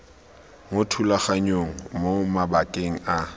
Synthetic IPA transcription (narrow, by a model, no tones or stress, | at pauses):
ŋʊtʰulaχaɲoŋ̩momabakʼeŋ̩a